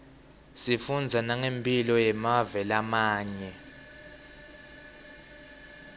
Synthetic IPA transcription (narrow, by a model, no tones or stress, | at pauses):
sifund͡zʱanaŋempʼilɔjɛmavɛlamaːɲɛ